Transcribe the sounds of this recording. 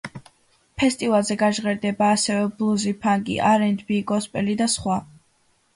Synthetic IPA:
pʰɛst̪ʼivalˠzɛɡaʒʁɛɾd̪ɛbaːsɛvɛblˠuzipʰaŋɡḭʔaɾɛnd̪biɡɔspʼɛlid̪asχwa

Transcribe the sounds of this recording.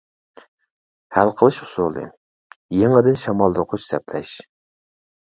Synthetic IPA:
hælqʰəlˠɨʃʊ̥sulˠɨ̰ | jeŋɛd̪ɪnʃɑmɑlˠd̪ʊɾqʰʊt͡ʃsɛplɛʃ

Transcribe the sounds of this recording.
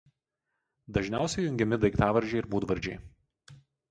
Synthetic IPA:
d̪ɐʒʲnʲæˑʊsʲɛɪjʊŋʲɡʲɛmʲɪd̪ɐɪkt̪ɑːʋɐɾʲd͡ʒʲɛɪɪɾbuːd̪ʋɐɾʲd͡ʒʲɛɪ

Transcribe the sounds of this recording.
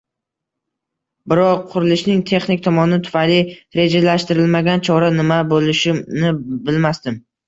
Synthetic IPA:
bɪɾɒqʰːʊɾɪlɪʃnɪŋt̪ʰe̞χnɪkʲt̪ʰɒmɒnɪt̪ʰʊ̥fajlɪɾe̞d͡ʒalaʃt̪ɪɾɪlmaɡʲant͡ʃʰɒɾanɪmabolɪʃɪnɪbɪlmast̪ɪm

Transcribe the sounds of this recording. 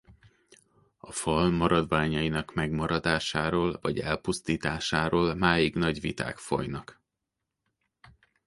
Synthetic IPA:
ɒfɒlmɒɾɒd̪vaːɲɒjinɒkmɛɡmɒɾɒd̪aːʃaːɾoːlvɒɟɛ̰lpust̪iːt̪aːʃaːɾoːlmaːjiɡnɒɟʋit̪a̰ːkfo̰jnɒk

